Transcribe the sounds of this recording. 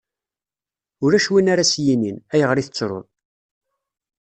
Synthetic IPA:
ʊɾæʃwinaɾasjininæjəʁɾiθət͡sːɾʊ̰ðˤ

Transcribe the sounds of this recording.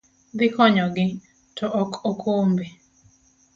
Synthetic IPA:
d̪ɪkɔɲɔɡɪ | tʰɔʔɔkʰokʰombe

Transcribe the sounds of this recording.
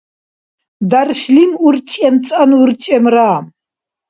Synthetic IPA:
d̪arʃlimuɾt͡ʃʼɛmt͡sʼanuɾt͡ʃʼɛmɾaːm

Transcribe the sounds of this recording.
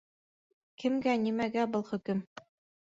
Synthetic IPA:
kɘ̆mɡænimæɡæbɤlˠχɵ̆kɘm

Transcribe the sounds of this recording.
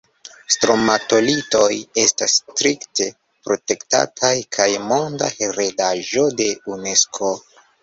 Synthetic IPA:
stɾo̞mato̞lito̞je̞stastɾikte̞ | pɾo̞te̞kta̰tʰajkʰajmo̞nda̰he̞ɾe̞daʒo̞de̞une̞skʰo̞

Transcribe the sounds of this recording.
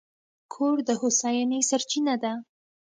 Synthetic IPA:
kʰoɾd̪əhʊsɑjɑnəjsaɾt͡ʃinad̪a

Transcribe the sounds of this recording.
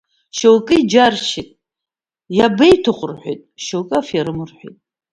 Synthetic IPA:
ʃowkʼɨid͡ʒarʃitʼ | jabejtʰɨχʷʼʊrħʷᶣḛjtʼʃowkʼaafjaɾɨmɨrħʷᶣḭtʼ

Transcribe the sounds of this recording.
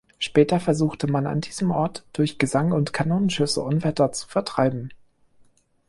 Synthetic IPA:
ʃpɛːtɐfɛɐzuːxtʰəmana̰ndiːzəmʔɔɐtd̥ʊɐçɡ̥əzaŋʊntkʰanoːnənʃʏsə̰ʔʊnvɛtɐt͡su̥fɛɐtʁ̥aɪbm̩

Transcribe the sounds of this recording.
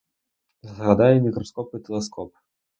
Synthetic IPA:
zzɣad̪ajɛmʲikɾɔskɔpɨt̪ʲɛlˠaskʰɔp

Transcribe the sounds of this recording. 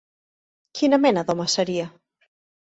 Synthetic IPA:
kʰinamenaðomasaɾia

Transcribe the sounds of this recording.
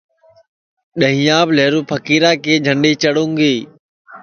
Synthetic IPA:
ɗəɦĩːãːbleːɾũːpʰəkiːɾaːkeːd͡ʒʱəɳɖiːt͡ʃəɽũːŋɡiː

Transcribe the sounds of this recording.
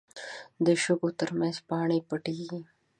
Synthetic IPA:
d̪əʃʊɡot̪əɾmãnzpɑɳepəʈiɡi

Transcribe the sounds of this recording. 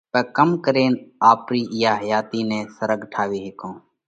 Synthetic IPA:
pəːkəmkəɾeːnaːpɾiːʔɪjaːɦəjaːt̪iːnẽːsəɾəɡʈʰaːʋiːɦekõː

